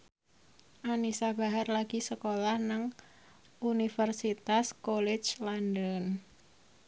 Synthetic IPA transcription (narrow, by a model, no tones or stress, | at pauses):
ʔanisab̥aɦarlaɡ̥isəkolahnaŋ | ʔunifərsit̪askolɛt͡ʃlandən